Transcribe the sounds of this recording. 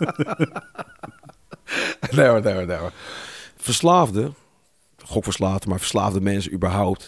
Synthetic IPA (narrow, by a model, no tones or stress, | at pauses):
dɛwədɛwədɛwə | fərslaːvdə | χokfəslaːvdəmaɹfərsla̰ːvdəmɛnsəybəɦawp̚t